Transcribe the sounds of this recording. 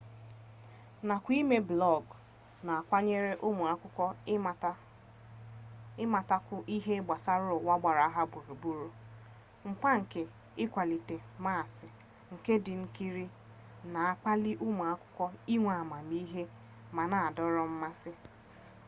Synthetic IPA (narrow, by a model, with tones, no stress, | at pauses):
na˨kʷi˦me˦blɔ˦˨ɡ | na˨a˨kʷa˦ɲe˦ɾe˦ʔʊ˦mʊ˨a˦kʷʊ˦kʷɔ˦˨ | ɪ˦ma˨ta˦kʷʊ˦ʔi˦ɦe˦ɡ͡ba˨sa˦ɾʊ˦ʊ˨wa˦ɡ͡ba˨ɾa˨a˦ɦa˦bu˨ɾu˨bu˨ɾo˨ | ŋ͡m̩˨k͡pa˦ŋ̩˨ke˨ | ɪ˦kʷa˨li˨te˨ma˦˨sɪ˨ | ŋ̩˨ke˦dɪ˨ŋ̩˦ki˦ɾi˦ | na˨a˦k͡pa˦li˦ʔʊ˦mu˨a˦kʷʊ̥˦kʷɔ˦i˦ŋʷa˨ma˨mi˦ɦe˦ | ma˨na˨a˨dɔ˦ɾɔ˦m̩˦ma˦sɪ˦